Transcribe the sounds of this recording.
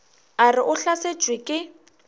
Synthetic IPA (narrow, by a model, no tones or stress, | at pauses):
arɪʔʊɬase̥d͡ʒʱʼwɪkʼɪ